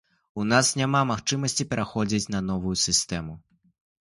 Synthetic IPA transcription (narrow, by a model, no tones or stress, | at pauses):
unasnʲamamaxt͡ʂɨmɐsʲt͡sʲipʲɛɾʔaxɔd͡zʲit͡sʲnɐnɔvujusʲɨst̪ɛmu